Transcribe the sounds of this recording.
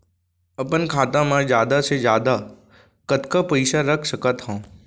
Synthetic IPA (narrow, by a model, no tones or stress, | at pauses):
ɐpənkʰaːt̪ãmãd͡ʒjaːd̪asezjaːd̪a | kət̪kapəɪsaɾəkʰsəkət̪ɦãː